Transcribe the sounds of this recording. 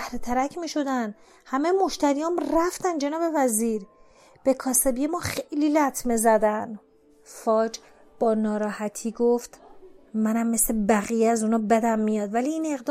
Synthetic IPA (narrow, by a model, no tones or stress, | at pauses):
æhɾet̪ʰæɾæcʰmiːʃo̞d̪æn | hæmejemo̞ʃt̪æɾijɒːmræft̪ænd͡ʒe̞nɒːbe̞væziːɾ | b̥e̞kʰɒːsebijemɒːxejliːlæt̪ʰmezæd̪æn | fɒːd͡ʒ | b̥ɒːnɒːɾɒːhæt̪ʰiːɡo̞ft̪mænæmːe̞slebæɣijeæzunɒːbæd̪æmːijɒːd̪væliːne̞ɣd̪